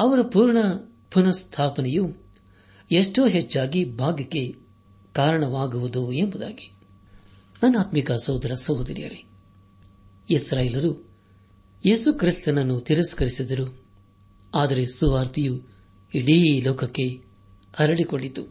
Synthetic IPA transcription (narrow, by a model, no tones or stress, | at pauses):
ɐʋɐɾɐpuːɾɳɐ | punɐst̪ʰaːpɐnɛju | eʂʈoːɦet͡ʃːaːɡibʱaːɡɐkːe̞ | kaːɾɐɳɐʋaːɡuʋud̪uembud̪a̰ːɡi̥ | nɐnːaːt̪mikɐsɐwd̪ɐɾɐsɐwd̪ɐɾḭjɐ̰ɾe | isɾaːjelɐɾu | jeːsukɾist̪ɐnɐnːut̪iɾɐskɐɾisid̪ɐɾu | aːd̪ɐɾe̞suʋaːɾt̪iju | iɽilɔːkɐkːe̞ | ɐɾɐɭikoɭːit̪ṵ